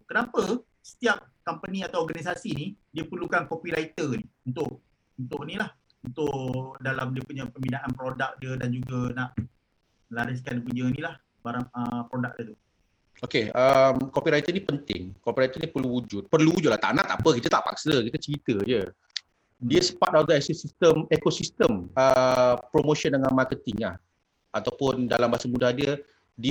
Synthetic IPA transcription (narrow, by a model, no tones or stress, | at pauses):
kənapə | sə̥t̪iap̚ | kampənĩat̪aworɡanis̬asinidiəpərlukankopiɾait̪əniunt̪ʊʔ | unt̪ʊʔnilah | unt̪ʊʔdalamdiəpuɲapəmidaʔanpɾodak̚diədand͡ʒuɡanaʔ | əlaɾɪskandipuɲənilah | baɾaŋəpɾodak̚diət̪u | okeəmkopiɾajt̪ənipənt̪ɪ̰ŋkopiɾajt̪ənipərluwud͡ʒʊt̪̚pərluwud͡ʒʊt̪̚laht̪a̰ʔnaʔt̪aʔpəkit̪ət̪aʔpa̰k̚səkit̪ət͡ʃəɾit̪əd͡ʒə | diəsə̥pat̪̚aɡ̪ɛsisist̪əmekosist̪əməpɾomoʃəndəŋanmakət̪ɪŋla̰h | at̪awpʊndalambasəmũdahdiə | di